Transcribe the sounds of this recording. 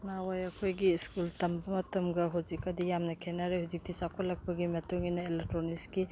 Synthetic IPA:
nawajɐkʰojɡiskultɐmbɐmɐtɐmɡɐɦuzikɐdijamnɐkʰenaɾehuzik̚tʰisakʰolːɐk̚pɐɡimɐtoŋinɐelek̚tɾoniski

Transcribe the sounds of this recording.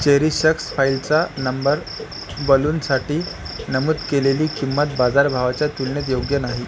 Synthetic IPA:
t͡ɕeɦɾiːɕəksfailt͡sanəmbəɾ | bəluːnsaʈiː | nəmud̪keleliːkimːət̪̚bad͡zaɾbʱaʋat͡ɕjat̪ulɳjet̪̬joɡjənaɦi

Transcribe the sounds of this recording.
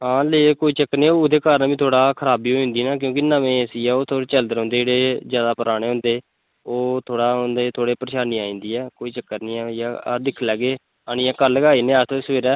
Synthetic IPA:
ɦãːleːkoːiːt͡ʃəkːnẽːoʊd̪eːkaːɾənbiːt̪ʰoːɽaːkʰəɾaːbiːoːĩːnd̪iːnãːk̬jõːk̬ɪnəmẽːsiːɛːoːt̪ʰoːɽeːt͡ʃəld̪əɾõːnd̪eːeːɽeːzjaːd̪aːpəɾaːɽ̃eːɦʊ̃ːnd̪eː | oːt̪ʰoːɽaːʊ̃nd̪eːt̪ʰoːɽeːpəɾəʃaːnĩːaːĩːnd̪iːɛːkoːiːt͡ʃəkːəɾnĩːɛːja̰ːd̪ɪkʰlɛːɡeː | aːnɪ̃ːãːkəɾlːəɡaːiːnẽːassʋeːɾɛː

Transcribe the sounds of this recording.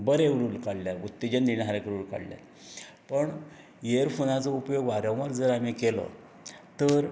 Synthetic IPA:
bəɾeʋɾuːlkaɽljaut̪ːid͡ʑend̪iɽɦaɾekəɾuːlka̰ɽlja̰ | pəɳ | jeɾfonat͡sɔupjoɡʋaɾə̃ʋəɾd͡zəɾamikelɔ̰ | t̪əɾ

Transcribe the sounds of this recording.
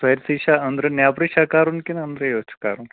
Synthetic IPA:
sɐjɾsiːʃaɐnd̪ɾɐnjaːpɾiʃaːkaːɾunkinɐnd̪ɾɐjoːt͡ʃu̥ka̰ːɾun

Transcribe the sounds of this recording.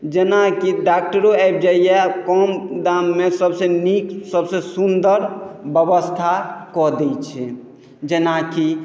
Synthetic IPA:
d͡ʒenakiɖak̚ʈəɾoaɪp̚d͡ʒaijekɔmd̪amːesəbseniksəbsesund̪əɾbəbəst̪ʰakɔd̪ɛt͡ʃʰɛ | d͡ʒenaki

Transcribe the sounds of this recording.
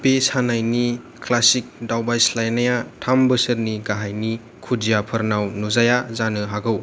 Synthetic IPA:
pesanajni | klasik̚dawbajslajnajatʰambəsəɾniɡaɦajni | kʰudijapʰɐɾnawnuzajazanɯɦaɡɯw

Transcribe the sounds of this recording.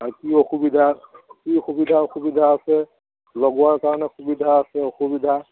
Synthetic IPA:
akioxubidʱakixubidʱaoxubidʱaːsɛ | lɔɡuaɹkaɹɔnɛxubidʱaːsɛoxubidʱa

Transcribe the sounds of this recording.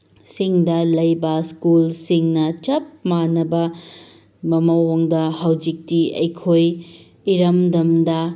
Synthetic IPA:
siŋdɐlɐjbɐskulsiŋnɐt͡ʃɐp̚manɐbɐ | mɐmɐwoŋdɐhɐwd͡ʒik̚tiɐ̰jkʰoj | iɾɐmdɐmdɐ

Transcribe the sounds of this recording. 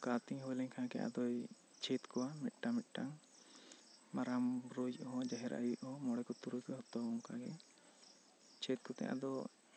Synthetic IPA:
kat̪iɲɦɔwɛlɛɲkʰakɛ̰jʔa̰d̪ɔj | t͡ʃʰɛt̪kɔwamɛt̪̚ˀʈamɛt̚ˀʈaŋ | maɾamɾod͡ʒɔɦɔ̃d͡ʒaɦɛɾʔa̰juʔɔmɔɽɛkɔt̪uɾud͡ʒɔɦɔt̪ɔbɔŋkaɡɛ | t͡ʃʰɛt̪̚kɔt̪ɛ̰jʔa̰d̪ɔ

